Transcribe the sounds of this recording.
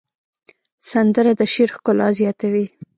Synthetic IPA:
sand̪əɾad̪əʃeɾxkʊlɑzjɑt̪awi

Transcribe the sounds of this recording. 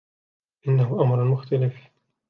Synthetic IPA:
ʔɪnːahʊʔamɾˤmʊxt̪alɪf

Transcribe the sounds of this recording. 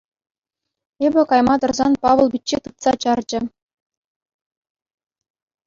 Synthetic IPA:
ebʲɘ̆kɑjmɑt̪ɤ̆rzɑnpɑʋɤ̆lˠbʲitʲt͡ɕːet̪ɯt̪sɑt͡ɕɑrd͡ʑɘ̆

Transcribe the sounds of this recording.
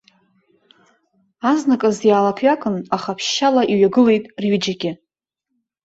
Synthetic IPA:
aznakʼazjaːlapʰɥakʼɨnaχapʰʃːalaʔiɥaɡɨle̞jtʼrɥid͡ʒaɡʲɪ

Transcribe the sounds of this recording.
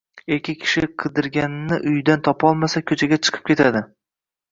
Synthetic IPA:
ekʲɪkʲʰɪ̥ʃɪqʰɨd̪ɪɾɡʲanɪnːɪʔʊjd̪ant̪ʰɒpɒlˠmasakʲʰɵt͡ʃʰaɡʲat͡ʃʰɨ̥qʰɨ̥p̚kʲe̞t̪ʰad̪ɪ

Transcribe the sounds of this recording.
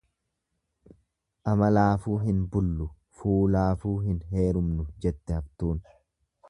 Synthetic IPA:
ʔɐmɐlaːfuːɦɪnbʊlːʊ | fuːlaːfuːɦɪnɦe̞ːɾʊmnʊd͡ʒɛt̪ːɛɐbt̪uːn

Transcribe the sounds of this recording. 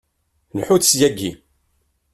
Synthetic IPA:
nħuθsjæɡːi

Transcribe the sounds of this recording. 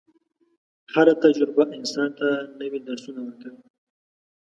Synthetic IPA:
haɾat̪ad͡ʒɾʊbaʔɪnsɑnt̪anəwid̪aɾsunawəɾkawi

